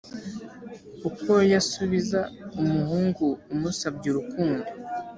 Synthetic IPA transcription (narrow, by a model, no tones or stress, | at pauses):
uko̞jasuβizaumuɦuːŋɡuːmusab̚ɟuɾukuːndo